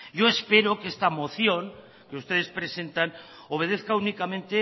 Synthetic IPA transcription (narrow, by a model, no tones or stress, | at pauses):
ɟ͡ʝo̞espe̞ɾokeest̪amo̞θjo̞ŋ | keust̪e̞ð̞e̞spɾe̞se̞nt̪an | o̞β̞e̞ð̞eθkaunikamẽnt̪e̞